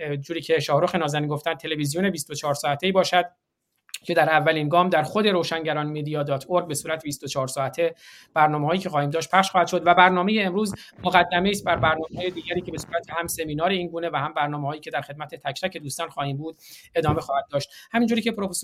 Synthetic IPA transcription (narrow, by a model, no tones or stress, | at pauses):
d͡ʒuːɾiːcʰe̞ʃɒːhɾoxe̞nɒːzæniːnɡo̞ft̪ænd̪t̪ʰe̞le̞vizijone̞bist̪ot͡ʃʰɒːɾsɒːæt̪ʰeiːbɒːʃæd̪̥ | cʰe̞d̪æɾævːæliːnɡɒːmd̪æɾxo̞d̪e̞ɾoːʃænɟæɾɒːnmed̪ijɒːd̪ɒːt̪ʰoɾɡ̚be̞suːɾæt̪ʰebist̪ot͡ʃʰɒːɾsɒːæt̪ʰe | b̥æɾnɒːmehɒːjiːcʰe̞xɒːhiːmd̪ɒːʃt̪̚pʰæχʃxɒːhæd̪ʃo̞d̪væbæɾnɒːme̞jeːmɾuːzmoɣæd̪ːæme̞ist̪̚bæɾbæɾnɒːmeɦɒːjed̪iːɡæɾiːce̞besu̥ːɾæt̪ʰehæmse̞miːnɒːɾe̞iːnɡuːne̞væhæmbæɾnɒːmehɒːjiːcʰe̞d̪æɾxe̞d̪̚mæt̪ʰet̪ʰæct̪æcʰe̞d̪uːst̪ɒːnxɒːhiːmbuːd̪̥e̞d̪ɒːme̞xɒːhæd̪̚ːɒːʃt̪hæmiːnd͡ʒuːɾicʰepʰɾofes